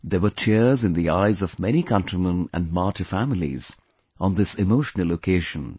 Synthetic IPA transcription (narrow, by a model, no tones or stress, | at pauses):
d̪ewət͡ʃʰɛzɨ̃nd̪iaɪzɔvmɛñikʰʌ̃ntɹimə̃næ̰̃nmɑːtəfæmɪlḭz̥ | ə̃nd̪ɪsɪmoʊʃnəl̩ˠokʰeːʒə̃n